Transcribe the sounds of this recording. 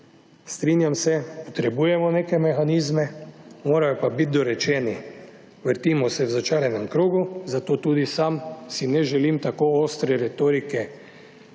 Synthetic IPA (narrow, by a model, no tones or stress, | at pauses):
st̪ɾinjamsɛpɔt̪ɾɛbuːjɛmɔneːkɛmɛxaniːzmɛmoːɾajɔpabit̪̚d̪ɔɾɛt͡ʃɛːni | ʋəɾt̪imɔsɛwzat͡ʃaːɾjɛnɛmkɾoːɡuzat̪oːt̪uːd̪isamsinɛʒɛliːmt̪akoːoːst̪ɾɛɾɛt̪oːɾikɛ